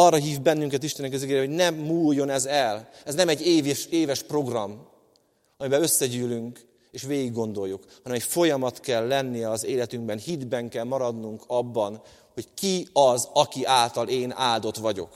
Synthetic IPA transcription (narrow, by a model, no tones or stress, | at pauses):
ɒrːɒɦiːvbɛnːyŋkɛt̪̬iʃt̪ɛnɛk̬ɒziɡeːjɾɛɦo̞ɟnɛmːuːjːo̞nɛzɛlɛznɛmɛɟːeːvʃeːvɛʃpro̞ɡrɒm | ɒmibɛlø̞sːɛɟyːlyŋk | eːʃveːɡiɡːo̞nd̪o̞jːukhɒnɛmɛcfo̞jɒmɒt̪kɛlːɛnːijɛɒzeːlɛt̪yŋɡbɛnhid̪bɛŋkɛlmɒɾɒd̪nuŋkʰɒbːɒn | ho̞ckiɒzɒkiʔaːlt̪ɒleːna̰ːld̪o̞t̪ʋɒɟo̞̰k